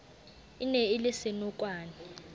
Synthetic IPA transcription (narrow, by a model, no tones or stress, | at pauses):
inɛilɪsɪnukʼwaːni